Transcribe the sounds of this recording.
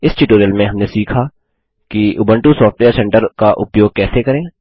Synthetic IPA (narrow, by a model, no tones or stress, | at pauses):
ɪsʈɪʈoːɾijəlmẽɦɐmnesiːkʰa | kiʔʊbə̃ɳʈusɔːfʈʋeːəɾsɛ̃ɳʈəɾkaʔʊpjoːɡ̚kɛːsekɐɾẽː